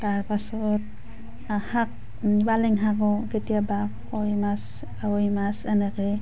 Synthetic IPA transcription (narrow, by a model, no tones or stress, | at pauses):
taɹpasɔt̚ | hak̚ | balɛŋɦakɔketijaba | kɔjmas | awɔjmasɛnɛke